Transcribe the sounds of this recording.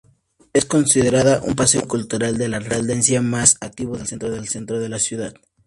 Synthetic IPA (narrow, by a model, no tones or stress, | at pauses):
e̞sko̞nsiðe̞ɾaðaʔṵmpaseokult̪uɾald̪e̞lareald̪ensjamasak̚t̪iβoðelsent̪ɾoðe̞lse̞nt̪ɾoð̞e̞lasjuðað